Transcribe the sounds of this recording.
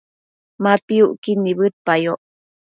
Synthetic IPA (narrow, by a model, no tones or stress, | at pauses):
mapiuʔkinːiβɨɾ̚pajoʔ